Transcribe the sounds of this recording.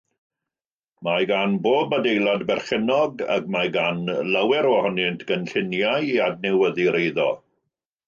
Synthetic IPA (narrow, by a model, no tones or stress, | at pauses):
majɡanboːbmadejlˠadbɛrχɪnɔɡa̰ɡmajɡanlawɛɾɔhɔnɪntʰɡ̥ənɬɪnjajadnɛwəðiɾʔejðɔ̰